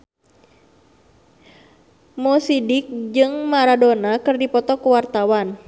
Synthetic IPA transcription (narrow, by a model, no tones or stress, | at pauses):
mɔsidik̚d͡ʒɨŋmaɾadonakɨrdipɔt̪ɔkuwart̪awan